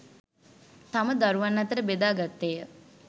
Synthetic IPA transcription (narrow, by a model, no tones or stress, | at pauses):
t̪aməd̪aɾuʋanːat̪əɾəbed̪aːɡat̪ːejə